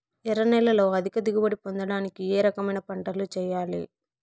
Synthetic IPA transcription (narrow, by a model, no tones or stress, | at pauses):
ɛɾɐnɛlːɐlo̞ːɐd̪ʱikɐd̪iɡubɐɽipond̪ɐɽaːnikieːɾɐkɐmɐjnɐpɐɳʈɐɾlut͡ʃɛːjaːlḭ